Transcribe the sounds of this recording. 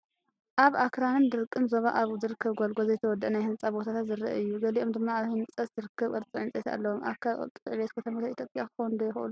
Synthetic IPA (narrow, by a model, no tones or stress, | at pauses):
ʔaβʔakʰɾanɨnd̪ɨɾkʼːɨmzoβa̰ʔaβzɨɾɨkʰːɐβɡʷolɡʷozɐjt̪ʰɐwɔd̪ːʔɐnajhɨnt͡sʼabo̞t̪ʰat̪ʰat̪zɨɾɐ̰ʔɨjːuɡɐliʔo̞md̪ɨmːaaβhɨnt͡sʼɐzɨɾɨkʰːɐβʔɨɾt͡sʼɨʕɨnt͡sʼet̪a̰lːɐwomʔa̰kʰa̰t̪ʼʕβet̪kʰɐt̪ʰɐmat̪ait̪ʰjopʼjakɨxownd̪ɐjɪxʔṵlu